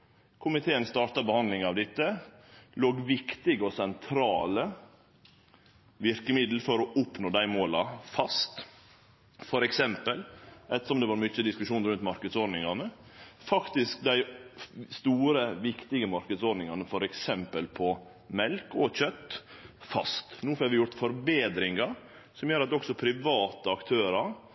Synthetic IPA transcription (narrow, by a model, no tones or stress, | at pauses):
kʰʊmɪt̪ʰeːənst̪ɑːʈɑbəhɑnd̪lɪŋɑʋd̪ɪt̪ːəloːɡʋɪkt̪ɪɡəɔsɛnt̪ʰɾɑːlə | ʋɪɾkəmɪd̪l̩fɔɾɔʔʊpnoːd̪æɪmoːlɑfɑst̪ | fɔɾɛksɛmpəlʔɛt̪ːəʂɔmd̪ɛːʋɑɾmʏt͡ʃːəd̪ɪskʉʂuːnɾʉnt̪mɑɾkəd̪sɔɖnɪŋɑnəfɑkt̪ɪsk̚d̪æɪst̪uːɾəʋɪkt̪ɪɡəmɑɾkəd̪sɔɖnɪŋɑnəfɔɾɛksɛmpəlpʰɔ | mɛlkɔçœt̪ːfɑ̰st̪nuːfɑɾʋɪjʊɾt̪fɔɾbeːd̪ɾɪŋɑ | sɔmjøːɾɑt̪ɔksɔpʰɾɪʋɑːt̪əɑkt̪ʰøːɾɑɾ